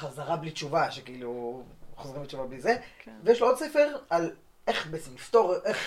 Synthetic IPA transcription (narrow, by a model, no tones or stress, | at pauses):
χazaʁablit͡ʃuvaʃekiiluχozʁimbet͡ʃuvablizevejeʃloo̞d̪sefe̞ʁal | eχbet͡simlift̪o̞ʁʔeχ